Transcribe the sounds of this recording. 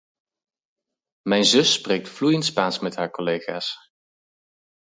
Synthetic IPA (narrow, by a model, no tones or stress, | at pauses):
mɛjnzɵsːpreːk̚tflujəntspaːnsmɛtɦaːɹkɔlejχa̰ːs